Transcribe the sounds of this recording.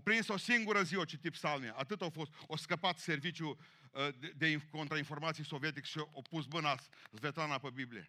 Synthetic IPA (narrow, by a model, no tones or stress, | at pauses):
opɾinso̞siŋɡuɾəziot͡ʃit̪ipsalneaʔat̪ɨt̪afost̪oskəpat̪se̞rvit͡ʃju | d̪e̞iko̞nt̪ɾainfo̞rmat̪sijso̞viet̪ikʃiopusmɨnas | zvet̪ɾanapəbibliḛ